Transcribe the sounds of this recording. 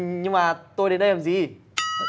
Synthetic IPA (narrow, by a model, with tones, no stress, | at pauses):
ɲɨ˧ŋmaː˨˩t̪o˧jɗe˨˦nɗə˧jlaː˨˩mzi˨˩